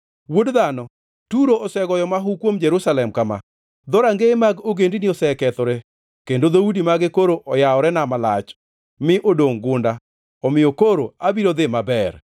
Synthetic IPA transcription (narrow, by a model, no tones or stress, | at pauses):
wodðanɔ | tuɾoʔːsɛɡɔjɔmaɦukwomd͡ʒɛɾusalɛmkama̰ | d̪ɔɾaŋɡemaɡoɡendiniɔsɛkɛt̪ɔɾɛ | kendod̪oudimaɡɪkoɾoʔɔjaɔɾɛnamala̰t͡ʃ | mɪʔodoŋɡʊnda | ɔmɪjokoɾoabiɾod̪ɪmabɛɾ